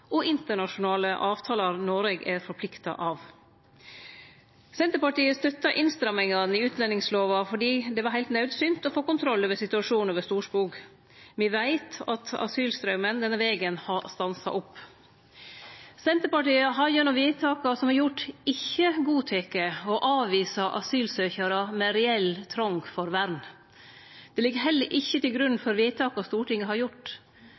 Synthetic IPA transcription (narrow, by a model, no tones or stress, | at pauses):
ʔɔʔɪnt̪əɳɑʂʊnɑːləʔɑːʋt̪ʰɑːlɑɾnoːɾɛɡæɾfɔɾpʰlɪkt̪ɑ̰ʔɑːʋ | sɛnt̪əɾpɑʈiːəst̪œt̪ːɑʔɪnst̪ɾɑmɪŋɑnɪʉːt̪ʰlɛnɪŋsloːʋɑfɔɖiːd̪ɛʋɑɾɦæɪlt̪nɑʉd̪sʏnt̪ɔfoːkʊnt̪ʰɾɔlːəʋɛsɪt̪ʉɑʂuːnʋɛst̪uːʂpuːk | mɪʋæɪt̪ɑt̪ɑ̰syːlst̪ɾœʉmənd̪ɛnəʋeːɡənhɑst̪ɑnsɑ̰ʔɔpː | sɛnt̪əɾpɑʈiːɑɦɑjnɔʋiːt̪ʰɑːkɑsɔmhɑɾjʊʈːɪçːəɡuːt̪ʰɛkəɔʔɑːʋʋiːsɑʔɑ̰syːlsøːçəɾɑmɛɾɛɛlt̪ʰɾɔŋɡfɔɾʋæɾn | d̪̥ɛlɪɡːəɦɛlːəɾʔɪçːət̪ɪlɡɾʉnfɔɾʋiːt̪ʰɑːkɑst̪uːʈɪŋːəhɑɾjʊʈː